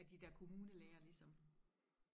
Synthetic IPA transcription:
æd̥id̥æɐkʰo̝muːnəleːɐlisɒ̽m

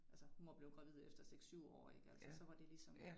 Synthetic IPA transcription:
ælsəhunʋɑb̥le̝ʊɡ̥ʁɑ̈ʋið̞̰ˠefd̥ɐseɡ̥sːyʊ̰ɒ̰ːe̝ɡ̥əælsəsɒ̽ʋɑ̈d̥e̝lisɒ̽m

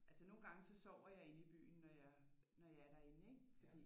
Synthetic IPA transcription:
ʔælsəno̝ːn̩ɡ̥ɑ̈ŋəsɒ̽sɒʊ̰ɐjɑ̈ɪe̝nəib̥y̰ːn̩ːɒjɑ | nɒjɑ̈æɐɾ̥æe̝nəeɡ̥fɒ̽d̥ḭː

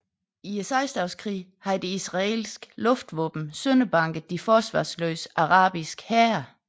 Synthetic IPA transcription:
iesɑɪsd̥ɑʊskʰʁḭːhɑ̈d̥e̝isʁɑe̝̰lsɡ̥lɔ̽fd̥ʋɔːb̥m̩sønəb̥ɑ̈ŋ̰ɡ̥əð̩ˠd̥ifɒːsʋɑ̰̈ːslø̰ːsʔɑ̈ʁɑ̈ːb̥isɡ̥hæɐ

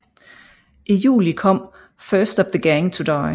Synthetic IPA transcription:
ʔijṵːlikʰɒ̽m̰ | fɜːsd̥ɒvðəɡ̥æŋt͡sʰudaɪ

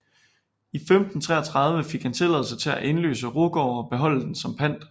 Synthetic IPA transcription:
ifemd̥n̩t͡sʰʁɛ̰ːɐt͡sʰʁɑ̈ð̞ˠʋəfeɡ̥hænt͡sʰe̝lɛ̰ð̩ˠsɐt͡sʰe̝læʔe̝nlø̰ːsəʁo̝ɡ̥ɒʊ̰ɒ̽b̥e̝ɦɒ̽l̰əd̥en̩sɒ̽mpʰæn̰d̥

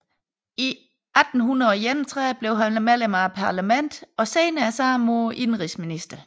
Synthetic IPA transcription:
i | ʔæd̥n̩ɦunɐjent͡sʰʁɛb̥le̝ʊɦænmælemɑpʰɑ̈læmen̰d̥ɒ̽seːnəæsɑːmoːʔinʁisminisd̥ɐ

